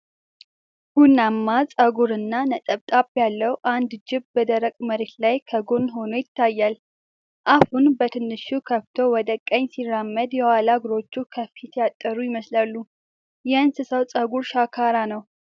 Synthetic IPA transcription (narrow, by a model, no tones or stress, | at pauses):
ɡ̥unːamːat͡sʼəɡuɾɨnːanət̪ʼəβt̪ʼabjalːəwuʔand̪d͡ʒɪβbəd̪əɾəkʼməɾet̪lajkʰəɡonɦo̞nojɪt̪ʰːajːal | ʔahunbət̪ʰɨnːɨʃukʰəft̪ʰo̞wɔd̪əkʼəɲːsiramːəd̪jɛwalaɡɾo̞t͡ʃːukʰəfit̪ʰjat̪ʼːəɾujɪməslalːu | jɛansɨsəwt͡sʼəɡuɾʃakʰaɾanəw